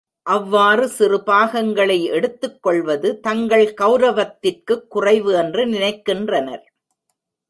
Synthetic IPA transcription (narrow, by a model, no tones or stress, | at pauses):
ʔɐʋːaːrɯsɪrɯbaːɣɐŋɡɐɭɐɪʔɛɽɯt̪ːɯkːɔɭʋɐðɯt̪ɐŋɡɐɭkɐʊɾɐʋɐt̪ːɪrkɯkːʊrɐɪʋɯɛndrɯnɪnɐɪkːɪndrɐnɐɾ